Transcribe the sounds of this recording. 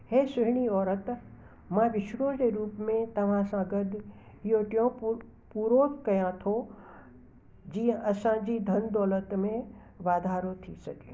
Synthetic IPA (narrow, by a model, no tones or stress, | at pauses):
heːsʊɦɪɽ̃iɔːɾət̪ | mãʋɪʃɾod͡ʑeɾuːpmẽt̪ɐʋ̤ãsãɡəd̪ | ɪjoʈijõ | puːɾoːkkɐjãt̪ʰo | d͡ʑiːə̃ʔɐsãd͡ʑiːd̪ʱɐnd̪ɔːlət̪mẽ | ʋaːd̪ʱaːɾot̪ʰisɐɡe